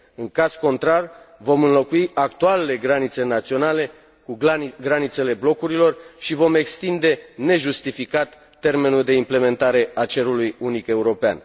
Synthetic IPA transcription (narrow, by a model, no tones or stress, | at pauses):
ɨŋkaz̥ko̞nt̪ɾarvo̞mɨnlo̞kuiʔakt̪ualele̞ɡɾanit̪se̞nat̪sio̞nale̞ | kuɡɾanit̪se̞le̞blo̞kuɾilo̞rʃivo̞me̞kst̪ind̪e̞ne̞ʒust̪ifikat̪ːe̞rme̞nuld̪e̞imple̞me̞nt̪aɾe̞at͡ʃe̞ɾulujunike̞uɾo̞pea̰n